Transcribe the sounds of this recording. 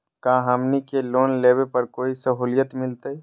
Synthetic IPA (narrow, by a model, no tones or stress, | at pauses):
kaɦəmnikelonleβepəɾkoisəɦulijət̪milt̪əj